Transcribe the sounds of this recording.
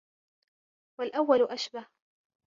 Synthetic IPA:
walʔawːalʊʔaʃbah

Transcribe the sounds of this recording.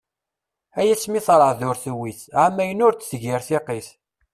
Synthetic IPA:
æjæsmiθɾˤəʕðʊɾθuwiθʕamːæjənʊɾt͡sːθəʝɪɾθiqiθ

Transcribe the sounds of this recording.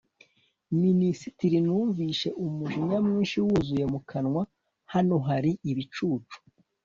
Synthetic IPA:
minisitiɾinuːɱviːʃe̞ʔumuʒimamŋiːnʃiwuzuje̞mukʰanŋwa | hano̞ɦaɾiʔiβit͡ʃuːt͡ʃu̥

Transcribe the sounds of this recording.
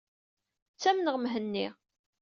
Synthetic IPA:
t͡sːæmnəʁmɦənːi

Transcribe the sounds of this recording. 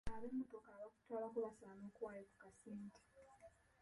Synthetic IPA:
aβemːotokaːβaku̥twaːlakuβasanoːkuwaːjeku̥kasiːntʰi̥

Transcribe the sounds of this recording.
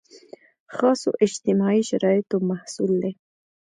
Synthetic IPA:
xɑso̰ʔɪd͡ʒt̪ɪmɑiʃaɾɑɪt̪omahsuld̪e

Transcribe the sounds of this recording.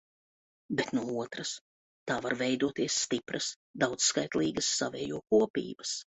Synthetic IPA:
bet̪nuɔuɔt̪ɾɐs | t̪aːvaɾvɛjd̪uɔt̪iɛsːt̪ipɾʔɐs | d̪awt̪sskajt̪lˠiːɡɐsːavɛːjuɔkuɔpʲḭːbɐs

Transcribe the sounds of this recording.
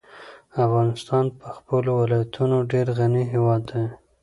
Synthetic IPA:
afɣɑnɪst̪ɑnpəxpəlowɪlɑjat̪ʰunoɖeɾɣaniɦewɑd̪ːa

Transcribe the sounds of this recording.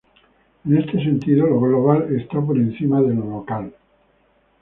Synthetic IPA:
enest̪ese̞nt̪iðoloɣloβalest̪ap̬oɾen̟θimaðelolokal

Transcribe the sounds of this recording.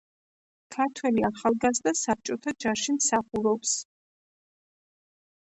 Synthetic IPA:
kʰaɾt̪ʰwɛliaχalˠɡazd̪asap̚t͡ʃʼɔt̪ʰad͡ʒaʃimsaχuɾɔps

